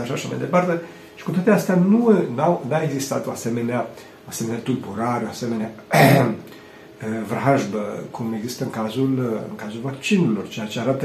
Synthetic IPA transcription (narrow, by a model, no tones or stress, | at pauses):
aʃaʃama̰jd̪e̞part̪e̞ | ʃi̥kut̪oat̪east̪eanunawnaeɡzist̪a̰t̪oase̞me̞nea | oaseme̞neat̪ulbuɾaɾeoaseme̞nea | vrɦaʒbəkʰume̞ɡzist̪əɨŋkazulɨ̰ŋkazulvakt͡ʃinelo̞rt͡ʃejat͡ʃeaɾat̪ə